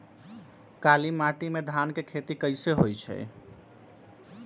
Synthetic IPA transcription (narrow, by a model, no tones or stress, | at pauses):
kalimaʈimed̪ʱankekʰet̪ikəɪseɦojt͡ʃʰɛ̰